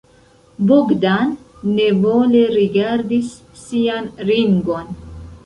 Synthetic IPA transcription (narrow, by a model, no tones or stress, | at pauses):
buɡdanːevoleɾiɡaɾdisː | ianɾiŋɡon